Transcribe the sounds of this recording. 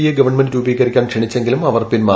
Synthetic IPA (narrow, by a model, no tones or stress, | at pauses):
ijeɡɐʋɐrɳmendɨɾuːbiːkɐrikʲːaːnkʂeɳit͡ɕːeŋɡilumɐʋɐrpinma